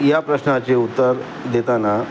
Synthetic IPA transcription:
japɾəɕnat͡ɕeut̪ːəɾ | d̪et̪ana

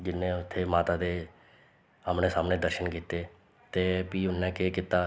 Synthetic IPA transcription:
d͡ʒɪnːẽːʊt̪ʰːeːmaːt̪aːd̪eː | əmneːsaːmnẽːd̪əɾʃənkiːt̪eː | t̪eːpiːʊnːɛ̃ːkeːkɪt̪ːaː

